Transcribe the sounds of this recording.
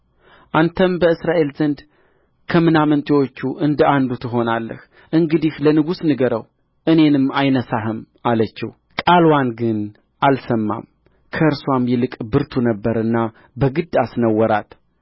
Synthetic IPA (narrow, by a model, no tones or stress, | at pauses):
ʔant̪ʰəmbəɨsɾaʔe̞lzənd̪ | kʰəmɨnamənt̪ʼewo̞t͡ʃːuʔɨnd̪əand̪ut̪ʰɨɦo̞nalːə̰h | ʔɨŋɡɨd̪ihlənɨɡusnɨɡəɾəw | ʔɨne̞nɨmːajnəsaɦɨm | alət͡ʃːɪ̰w | kʼalwanɡɨn | ʔalsəmːa̰m | kʰəɨɾswamjɛlɨkʼbɨɾt̪ʰunəbːəɾɨnːa | bəɡɨd̪asnəwːɔɾat̪